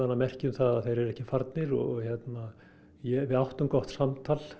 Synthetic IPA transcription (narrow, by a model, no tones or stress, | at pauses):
anːamɛr̥cɪʏmθaðaθejɾɛɾɛhcɪfaɾt̪nɪɾɔ̰ɣɣçɛt̪na | jɛvɪðawht̪ʏmkɔht̪samt̪ʰal